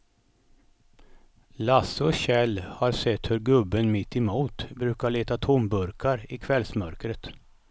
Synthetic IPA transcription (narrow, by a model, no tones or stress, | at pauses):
lasɔɕɛlːhaɾsɛt̪ːhɵɾɡɵbːənmɪt̪ːɪmuːt̪bɾʉ̟ːkaɭeːt̪at̪ʰʊmbɵɾkʰaɾɪkʰvɛlsmœɾkɾət̪